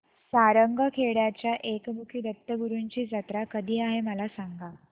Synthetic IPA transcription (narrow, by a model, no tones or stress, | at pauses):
saɾəŋɡʱəkʰeɽjat͡ɕjaʔekmukʰiːd̪ət̪ːəɡuɾuɲt͡ɕiːd͡zət̪ɾakəd̪ʱiːaɦeməlasaŋɡa